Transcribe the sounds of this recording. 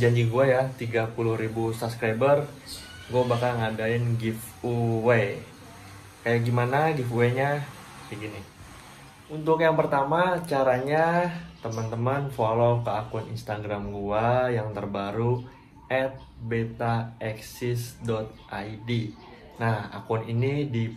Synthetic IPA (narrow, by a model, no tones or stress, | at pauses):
d͡ʒaɲd͡ʒiɡuajat̪iɡapulʊhɾibusabskɾajbər | ɡuabakalŋadaɪnɡif | uwe | kajaʔɡimanaɡifuweɲa | əɡinɪ | unt̪ʊkjaŋpərt̪amat͡ʃaɾaɲat̪əmənt̪əmənfolokəakʊnḭnst̪aɡɾamɡuajaŋt̪ərbaɾu | ʔɛt̪̚bet̪aɛksɪsdɔt̪̚ʔaidi | naha̰kʊninidi